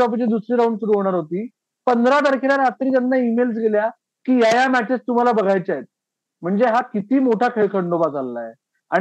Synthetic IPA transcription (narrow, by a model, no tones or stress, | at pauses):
ɔp̬it͡ɕid̪usɾiːɾauɳɖsuɾuɦoɽ̃aɾɦot̪iː | pənd̪ʱɾat̪əɾkʰilaɾat̪ɾiːt̪janːaimels̬ɡelja | kiːjajamæʈest̪um̤alabəɡʱajt͡sajet̪̚ | m̤əɳd͡zeɦakit̪iːmoʈʰakʰeɭkʰəɳɖobad͡zalːa̰je | a̰